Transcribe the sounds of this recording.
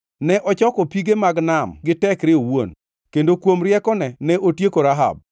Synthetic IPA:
nɛʔɔt͡ʃɔkɔpiɡemaɡnamɡɪtɛkɾɪowon | kendokwomɾjɛkɔnɛnɛʔotjekoɾaɦa̰b̚

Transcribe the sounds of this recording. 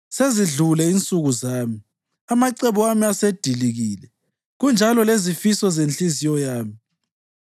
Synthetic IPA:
seziɮulɛint͡sʼuɣuzaːmi | amaǀeβuamiased̥ʱiliɣiːlɛ | ɣund͡ʒʱalɔlezifisɔzent͡ɬʼizijɔjaːmi

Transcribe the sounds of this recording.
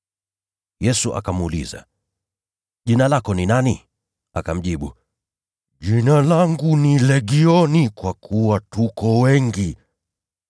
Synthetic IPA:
jɛsuʔa̰kamulḭza̰ | ʄinalakɔninani | a̰kam̩ʄiɓu | ʄinalaŋɡunilɛɠiɔnikwakʰuwatukɔwɛŋɡi

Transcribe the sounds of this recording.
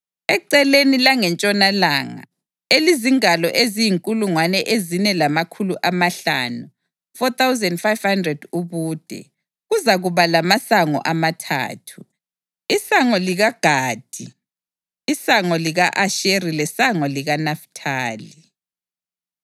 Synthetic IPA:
ɛǀɛlenilaŋɛnt͡ʃʼɔnalaŋa̰ | eliziŋalɔʔezijiŋkʼuluŋwanɛʔezinɛlamakʰuluʔamaɬa̰ːnu | fɔt̪awzɛndfajv̥handrɛd̥uβuːd̥ʱɛ̰ | ɣuzaɣuβalamasaŋɔ̰ʔamatʰa̰ːtʰu | isaŋɔliɣaɡ̥ʱaːd̥ʱiː | saŋɔliɣaʔaʃerilɛsaŋɔliɣanaftʰaːli

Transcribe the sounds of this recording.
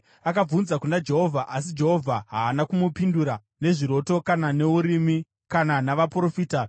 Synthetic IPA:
akab͡vunzakunad͡ʒe̞ɦo̞vʱaʔas̬id͡ʒe̞ɦo̞vʱaɦaːnakumupinduɾa | ne̞ʐiɾo̞to̞kanane̞uɾimi | kananaʋapro̞fiːta

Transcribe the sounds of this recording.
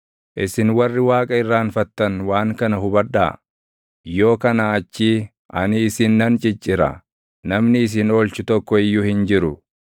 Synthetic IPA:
ʔɪsɪnwɐrːɪwaːkʼɐɪrːaːnfɐt̪ːɐnwaːŋkɐnɐɦʊbɐᶑa̰ː | jo̞ːkɐnaːt͡ʃːi | ʔɐnɪːsɪnːɐnt͡ʃʼɪt͡ʃʼːɪɾɐ̰ | nɐmnɪːs̬ɪnɔlt͡ʃʊt̪ɔkːɔɪjːʊhɪnd͡ʒɪɾʊ

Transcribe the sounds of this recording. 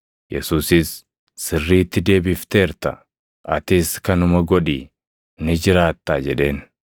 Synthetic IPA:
jɛ̰suːsɪsː | ɪrːiːt̪ːɪd̪e̞ːbɪft̪e̞ːɾt̪ɐ | ʔɐt̪ɪːskɐnʊmɐɡɔᶑiː | nɪd͡ʒɪɾaːt̪ːaːd͡ʒɛᶑe̞ːn

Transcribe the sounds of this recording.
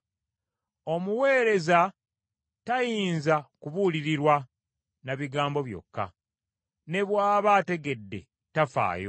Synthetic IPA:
o̞muwe̞ːɾe̞za | tajiːnzakuβuliɾiɾwa | naβiɡaːmbo̞βjo̞̰kːa̰ | ne̞βwaːβate̞ɡe̞dːe̞̰ | tafa̰ːjo̰

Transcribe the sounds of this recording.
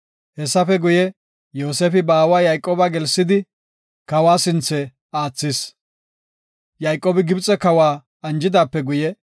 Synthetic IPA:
hɛsːɐfɛɡʊjɛ | jo̞ːseːfɪbaːwaːjɐjkʼːoːbaɡɛlsɪd̪ɪ | kɐwaːsɪnt͡sːɛ | aːt͡sːɪs | jɐjkʼːoːbɪɡɪbt͡sʼːɛkɐwaː | ɐnd͡ʒɪd̪aːpːɛɡʊjɛ

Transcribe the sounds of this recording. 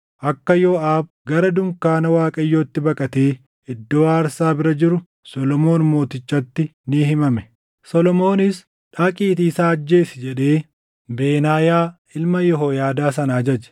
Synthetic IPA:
ʔɐkːɐjo̞ːaːb | ɡɐɾɐd̪ʊmkaːnɐwaːkʼɐjːoːt̪ːɪbɐkʼɐt̪eː | ɪd̪ːoːaːɾsaːbɪɾɐd͡ʒɪɾʊ | sɔlɔmo̞ːnmo̞ːt̪ɪt͡ʃːɐt̪ːɪnɪhɪmɐmɛ | sɔlɔmo̞ːnɪs | ᶑaːkʼiːt̪iːsaːɐd͡ʒːe̞ːsɪd͡ʒɛᶑe̞ː | beːnaːjaː | ɪlmɐjɔɦoːjaːd̪aːsɐnːd͡ʒɐd͡ʒɛ̥

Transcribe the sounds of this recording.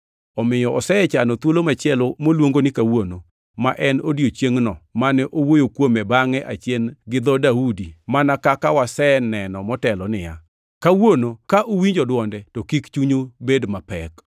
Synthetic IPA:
ɔmɪjɔʔɔsɛɛt͡ʃanɔt̪wolomat͡ʃjɛlomolwoŋɡonɪkawono | maʔɛnodjot͡ʃjeŋnɔmanɛʔowojokwomɛbaŋɛʔat͡ʃjɛnɡɪd̪ɔdaudimanakakawasɛnɛnɔmɔtɛlɔnɪja̰ | kawonokaʔowiɲd͡ʒɔdwɔndɛtɔkikt͡ʃuɲobedmapɛk

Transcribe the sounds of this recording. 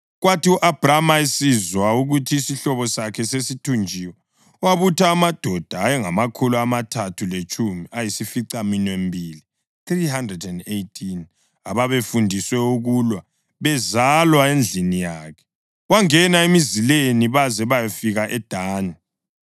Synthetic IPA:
ɣwatiuʔab̥ramaesizwauɣutʰiːsiɬɔβɔsakʰɛsesitʰund͡ʒʱiwɛ | waβutʰaːmad̥ʱɔd̥ʱaːjɛŋamakʰuluamatʰatʰulet͡ʃʼumiajisifiǀaminwembʱiːli | θriɦandrɛdɛndejtʰin | aβaβefundʱiswɛuɣulwa | βɛzalwaend͡ɮʱinijaːkʰɛ̥ | waŋɛnaemizileniβazɛβajafiɣaʔɛd̥ʱaːna

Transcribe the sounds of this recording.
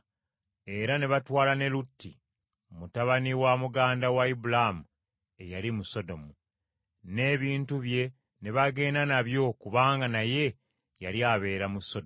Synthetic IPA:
e̞ɾane̞βatwaːlane̞lutːi | mutaβaniwamuɡaːndawaibulamu | e̞jalimuso̞do̞mu | ne̞ːβiːntuβje̞ | ne̞βaɡe̞ːnanaβjo̞kuβaːŋɡanaje̞ | jaljaβe̞ːɾamuso̞d

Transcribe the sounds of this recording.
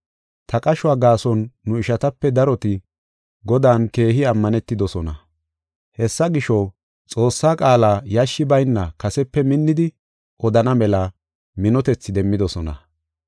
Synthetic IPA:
t̪ʰɐkʼɐʃʊaːɡaːsɔnːʊɪʃɐt̪ɐpːɛd̪ɐɾɔt̪ɪ | ɡɔd̪aːnke̞ːɦɪɐmːɐnɛt̪ːɪd̪ɔsɔnɐ̰ | hɛsːɐɡɪʃɔ | t͡sʼo̞ːsːaːkʼaːlaːjɐʃːɪbɐjnːɐkɐsɛpːɛmɪnːɪd̪ɪ | ʔɔd̪ɐnɐmɛlɐ | mɪnɔt̪ɛt͡sːɪd̪ɛmːɪd̪ɔsɔnɐ̰

